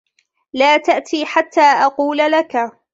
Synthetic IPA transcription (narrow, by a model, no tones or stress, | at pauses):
laːt̪aʔt̪ʰiːħat̪ʰːaːʔɑquːlalaka